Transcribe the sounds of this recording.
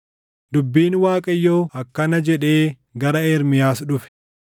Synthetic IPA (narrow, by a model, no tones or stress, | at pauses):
d̪ʊbːiːnwaːkʼɐjːoːɐkːɐnɐd͡ʒɛᶑe̞ː | ɡɐɾɐeːɾmɪjaːsᶑʊfɛ̥